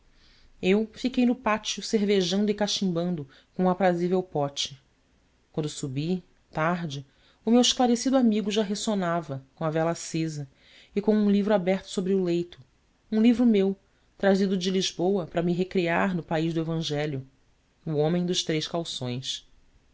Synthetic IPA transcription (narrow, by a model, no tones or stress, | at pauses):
ewfikejnʊpat͡ʃiʊseɾveʒɐ̃nd̪ʊɪkaʃĩbɐ̃nd̪ʊ | kõũapɾazivewpɔt͡ʃɪ̥ | kwɐ̃nd̪ʊsubi | t̪aɦd͡ʒɪ | ʊmewɪʃklaɾesid̪ʊamiɡʊʒaɦesonavɐkõɐvɛlɐsezɐ | ɪkõũlivɾʊabɛɾt̪ʊ̥sobɾɪʊlejt̪ʊ | ũlivɾʊmew | t̪ɾazid̪ʊd͡ʒɪliʒbowɐpɾɐmiɦekɾiaɾnʊpaiʒd̪ʊevɐ̃ʒɛljʊː | õmẽj̃d̪ʊʃt̪ɾejʃkawsõj̃s